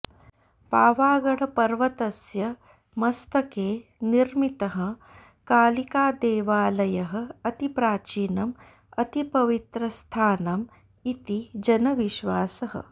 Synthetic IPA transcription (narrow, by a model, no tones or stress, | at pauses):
paːʋaːɡɐɽɐpɐɾʋɐt̪ɐsjɐ | mɐst̪ɐkeːniɾmit̪ɐɦɐ̆ | kaːlikaːd̪eːʋaːlɐjɐɦɐ̆ɐt̪ipɾaːt͡ʃiːnɐm | ɐt̪ipɐʋit̪ɾɐst̪ʰaːnɐm | it̪id͡ʒɐnɐʋiʃʋaːsɐɦɐ̰